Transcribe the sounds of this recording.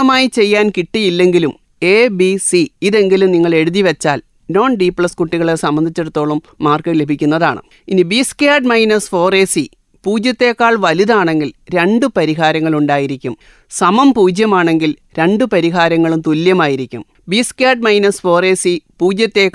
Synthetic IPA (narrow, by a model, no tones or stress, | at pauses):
ɐmaːjit͡ɕe̞jːaːnkiʈːijilːe̞ŋɡilum | e̞ːbisiiðe̞ŋɡilumniŋːɐɭe̞ɽuðiʋet͡ɕːaːl | no̞ːnɖiːpɭɐskuʈːiɣɐɭesɐmbɐnd̪ʱit͡ɕːe̞ɽut̪ːo̞ːɭumːaːrkɐlebʱikʲːunːɐða̰ːɳɨ̰ | inibiskjaːɖmɐjnɐsfo̞ːreːsi | puːd͡ʑjɐt̪ːe̞ːkːaːɭʋɐliðaːɳe̞ŋɡilɾe̞ɳɖɨpɐɾiɦaːɾɐŋːɐɭuɳɖaːjiɾikʲːum | sɐmɐmpuːd͡ʑjɐmaːɳe̞ŋɡil | ɾe̞ɳɖɨpɐɾiɦaːɾɐŋːɐɭumt̪uljɐmaːjiɾikʲːṵm | biːskjaːɖ̚mɐjnɐsfo̞ːre̞ːsipuːd͡ʑjɐt̪ːe̞ːkː